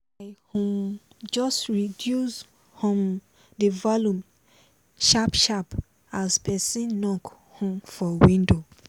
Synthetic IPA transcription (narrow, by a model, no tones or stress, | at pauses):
aɪhɔ̃m | d͡ʒɔstɹidjus | hɔ̃m | dəvɔlũm | ʃapʃap | aspɛsĩnnɔk | hɔ̃mfɔwĩndo